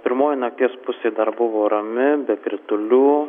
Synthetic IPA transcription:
pʲɪɾmoːjɪnɐk̚t̪ʲiɛspʊsʲeːd̪ɐɾbʊʋoːɾɐmʲɪbʲɛkʲɾʲɪt̪ʊlʲuː

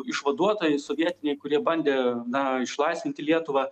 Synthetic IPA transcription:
ɪʃʋɐd̪uɔt̪oːjɛɪsoːʋʲiɛt̪ʲɪnʲɛɪkʊɾʲiɛbɐnʲd̪ʲeːnɐɪʃlˠɐɪsʋʲɪnʲt̪ʲɪlʲiɛt̪ʊʋɑː

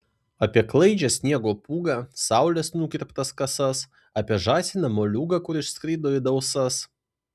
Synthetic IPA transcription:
ɐpʲiɛklˠɐɪd͡ʒʲɛsʲnʲiɛɡoːpuːɡɐsɑˑʊlʲɛsnukʲɪɾʲpt̪ɐskɐsɐs | ɐpʲiɛʒɑːsʲɪnɐmoːlʲuːɡɐkʊɾɪʃskɾʲiːd̪oːɪd̪ɐʊsɐs

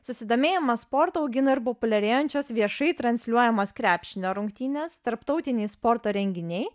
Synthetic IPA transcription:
sʊsʲɪd̪oːmʲeːjɛmɐspoɾt̪oːʊɡʲɪnoːɪɾpopʊlʲɛɾʲeːjonʲt͡ʃʲoːsʋʲiɛʃɐɪt̪ɾɐnʲsʲlʲuɔjɛmoːskɾʲæːpʲʃʲɪnʲoːɾʊŋkt̪ʲiːnʲɛst̪ɐɾpt̪ɒʊt̪ʲɪnʲɛɪspɔɾt̪oːɾʲɛŋʲɡʲɪnʲɛɪ

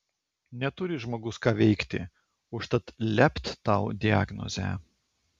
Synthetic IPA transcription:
nʲɛt̪ʊɾʲɪʒmoːɡʊskɑːʋʲɛɪkt̪ʲɪ̰ | ʊʃt̪ɐt̪lʲɛpʲt̪ʲt̪ɑʊd̪ʲɪa̰ɡnɔ̰zʲæ̰ː

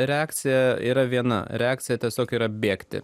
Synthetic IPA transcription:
ɾʲɛɑːkt̪sʲɪjɛiːɾɐʋʲiɛnɐ̰ɾʲɛɑːk̚tsʲɪjɛt̪ʲiɛsʲoːkiːɾɐbʲeːkt̪ʲɪ̰

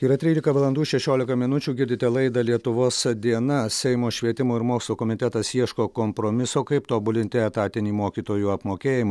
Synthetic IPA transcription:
iːɾɐt̪ʲɾʲiːlʲɪkɐʋɐlˠɐnd̪uːʃʲɛʃʲoːlʲɪkɐmʲɪnʊt͡ʃʲuːɡʲɪɾʲd̪ʲɪt̪ʲɛlˠɐɪd̪ɐlʲiɛt̪ʊʋoːsd̪ʲiɛnɐsʲɛɪmoːʃʲʋʲiɛt̪ʲɪmoːɪɾmoːkslˠoːkɔmʲɪt̪ʲɛt̪ɐsiɛʃkoːkompɾoːmʲɪsoːkɐɪpt̪oːbʊlʲɪnʲt̪ʲɪɛt̪ɑːt̪ʲɪnʲiːmoːkʲiːt̪oːjuːɐpmoːkʲeːjɪmɐ

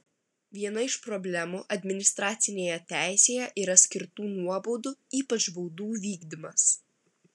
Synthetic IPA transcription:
ʋʲiɛnɐɪʃpɾɔbʲlʲɛmuːʔɐd̪ʲmʲɪnʲɪst̪ɾɑːt̪sʲɪnʲeːjɛt̪ʲæˑɪsʲeːjɛʔiɾɐsʲkʲɪɾt̪uːnuɔbuːd̪ʊiːpɐt͡ʃbɔʊd̪uːʋʲiːɡd̪ʲɪmɐs

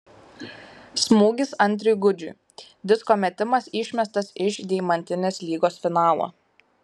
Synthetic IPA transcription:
smuːɡʲɪsɐnʲt̪ʲɾʲʊjɡʊd͡ʒʲʊ̰ːˑ | d̪ʲɪskoːmʲɛt̪ʲɪmɐsɪˑʃʲmʲɛst̪ɐsɪʃd̪ʲɛɪmɐnʲt̪ʲɪnʲeːslʲiːɡoːsfʲɪnɑːlˠo̰ː

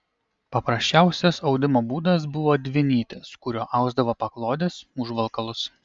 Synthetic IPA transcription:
pɐpɾɐsʲt͡ʃʲæˑʊsʲɛsɒʊd̪ʲɪmoːbuːd̪ɐs̬bʊʋoːd̪ʲʋʲɪnʲiːt̪ʲɪskʊɾʲoːʔɐʊɡzd̪ɐʋoːpɐklˠoːd̪ʲeːsʊʒʋɐlˠkɐlˠʊs

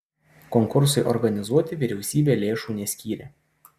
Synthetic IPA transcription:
kɔŋkʊɾs̬ɐɪʔɔɾɡɐnʲɪzuɔt̪ʲɪʋʲɪɾʲɛʊsʲiːbʲeːlʲeːʃuːnʲɛsʲkʲiːɾʲeː

